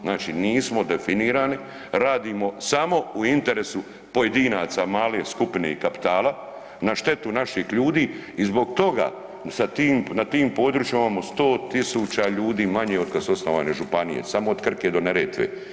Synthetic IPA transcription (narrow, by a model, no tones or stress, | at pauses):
znaːt͡ʃiniːsmo̞d̪e̞finiːɾaːni | ɾaːd̪iːmo̞samo̞uint̪e̞ɾesu | po̞je̞d̪iːnaːt̪samaːleskupnḛikapi̥t̪aːla | naʃt̪e̞t̪unaʃixʎuːd̪iːizbo̞ɡ̚t̪o̞ɡa̰ː | sat̪iːmnat̪iːmpo̞ːd̪ɾuːt͡ʃjimimaːmost̪o̞ːt̪isuːt͡ɕaʎuːd̪iːmaɲeod̪̚kasuosnoʋa̰ːne̞ʒupanijḛsamood̪kr̩ked̪o̞neɾeːt̪ʋḛː